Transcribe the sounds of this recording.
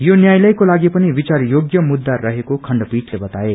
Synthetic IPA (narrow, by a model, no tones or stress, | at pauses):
jonjajlʌjkolaɡipʌnibit͡saɾjoɡjʌmud̪ːaɾʌɦekokʰʌɳɖpiʈlebʌt̪ae